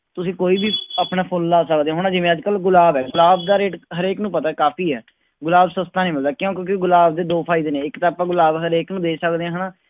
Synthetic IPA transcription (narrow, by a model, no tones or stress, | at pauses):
t̪ʊsĩːkoːiːbiːaːpnaːpʰoːnlaːsəkd̪eːãːɦʊɽ̃ãːd͡ʒɪʋẽːəd͡ʒkəlɡʊlaːbɛːɡʊlaːbd̪aːɾeːʈɦəɾeːknũːpət̪aːkaːpʰiːɦɛ̰ː | ɡʊlaːbsəst̪ãːnəĩːmɪld̪aːkjõːkjõːkɪɡʊlaːb̚d̪eːd̪oːpʰaːid̪eːnẽːɪkt̪aːpãːɡʊlaːbɦəɾeːknũːd̪eːsəkd̪eːãːɦəɽaː